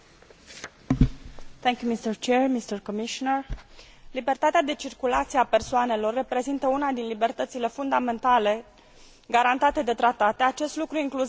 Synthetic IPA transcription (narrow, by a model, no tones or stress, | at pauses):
t̪ɛŋkʲjumist̪ərt͡ʃeɹmist̪ərkomiʃonər | libe̞rt̪at̪ead̪e̞t͡ʃirkulat̪sijeape̞rsoane̞lo̞rːe̞pɾe̞zint̪əunad̪inlibe̞rt̪ət̪sile̞fund̪ame̞nt̪ale̞ | ɡaɾant̪at̪e̞d̪e̞t̪ɾat̪at̪e̞at͡ʃe̞st̪lukɾuiŋklu